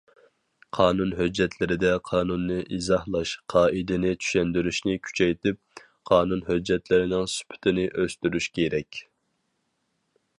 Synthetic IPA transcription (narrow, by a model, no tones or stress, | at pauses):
qʰɑːnunɦød͡ʒːɛt̪ʰlɪɾɪd̪ɛqʰɑːnunːɨʔizɑhlˠɑʃqʰɑːʔid̪ɪnɪt͡ʃʰy̥ʃɛnd̪yɾyʃnɪkʲʰy̥t͡ʃʰɛjt̪ɪp̚ | qʰɑːnunhød͡ʒːɛt̪lɪɾɪnɪŋsy̥pʰɪ̥t̪ʰɪnɪʔøst̪yɾyʃkʲʰeɾɛkʲ